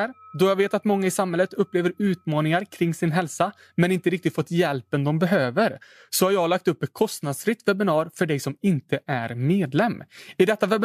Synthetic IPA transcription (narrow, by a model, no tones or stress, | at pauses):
ɾd̪ɔjɑːɡveːt̪at̪mɔŋːaɪsamhɛlːət̪ɵpːleːvəɾʉ̟ːt̪mɑːnɪŋaɾkʰɾɪŋːsɪnɦɛlsa | mɛnɪnt̪əɾɪkt̪ɪt̪fɔt̪ːjɛlpɛnd̪ɔmbɛɦøːvəɾ | sɔhaɾjɑːlak̚t̪ɵpːɛt̪̚kʰɔst̪nad̪sfɾɪt̪vɛbɪnɑːɾfœɖɛjsɔmɪnt̪əʔæɾmeːd̪lɛmːɪd̪ɛt̪ːavɛbɪ